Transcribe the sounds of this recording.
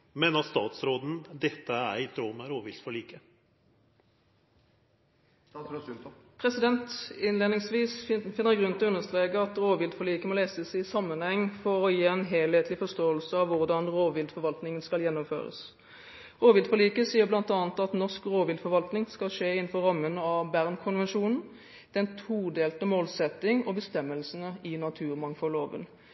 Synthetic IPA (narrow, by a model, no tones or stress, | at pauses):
mɛnɑst̪ɑ̰ːt̪sɾoːd̪n̩d̪ɛt̪ːəæ̰ɾɪt̪ɾoːməɾoːʋɪlt̪fɔɭiːkə | pʰʁɛsɪd̪ɛnt̪ɪnleːd̪nɪŋsʋiːsfɪnːəʁɡʁʉnt̪ɪlɔʉnːəst̪ʁeːɡəɑt̪ʁoːʋɪld̪fɔɭiːkəmoːleːsəsɪsɑmːənhɛŋːfɔʁɔjiːɛnɦeːlheːt̪ʰlɪfɔst̪oːəlsəɑʋʋʊʁd̪ɑnʁoːʋɪld̪fɔʁʋɑlt̪nɪŋənskɑljɛnːɔmfø̰ːʁə̰s | ʁoːʋɪld̪fɔʁliːkəsiːəʁblɑnt̪ɑːnət̪ɑt̪nɔʁskʁoːʋɪld̪fɔʁʋɑlt̪nɪŋskɑlʂeːɪnn̩fɔʁɑmːənɑbæʁnkʰʊnʋɛnʂuːnn̩ | d̪̥ɛnt̪ʰuːd̪eːlt̪əmoːlsɛt̪ːɪŋɔbəst̪ɛmːəlsn̩əɪnɑt̪ʰʉːʁmɑŋfɔlːoːʋə̰n